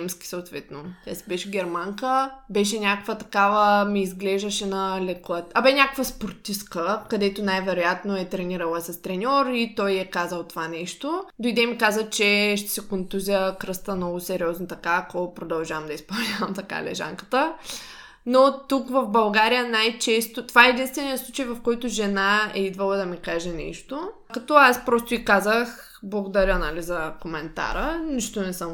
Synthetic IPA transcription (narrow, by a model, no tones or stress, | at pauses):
ɛmskʲi̥soːt̪vɛt̪not̪ʲasibɛʃɛɡʲɛɾmaŋkəbɛʃɛnʲakokvət̪ɐkavəmiːzɡlɛʒd̪əʃɛnɐlɛklˠət̪ɐbɛnʲakovɐspoɾt̪iskəkɐd̪ɛt̪onajvɛɾojat̪noɛt̪ɾɛniɾɐlˠəsɐst̪ɾɛnʲɔɾit̪ɔjɛkazəlˠt̪ovanɛʃt̪od̪oid̪ɛmikazət͡ʃɛʃt̪ɛ̥sɛkont̪uzʲəkɾɤst̪ənɔɡʊsɛɾʲiɔznot̪ɐkakɔpɾod̪ɐlˠʒavəmd̪ɐispɐlˠnʲavəmt̪ɐka̰lɛ̰ʒa̰ŋkə̥t̪ə | not̪ukvɐfbɐlˠɡaɾijənajt͡ʃɛst̪ot̪ovaɛɛd̪inst̪vɛnijəslˠut͡ʃəjvɐfkɔjt̪ʊʒɛnaɛid̪vɐlˠəd̪ɐmikaʒɛnɛ̰ʃt̪o | kɐt̪ɔaspɾɔst̪ʊikazəx | blˠɐɡod̪ɐɾʲənalizɐkomɛnt̪a̰ɾəniʃt̪onɛsəm